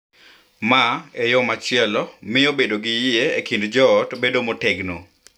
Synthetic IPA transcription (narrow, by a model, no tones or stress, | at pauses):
maejɔmat͡ʃɪɛlɔmɪobedoɡɪjɪeekindd͡ʒɔːtbedomotɛɡno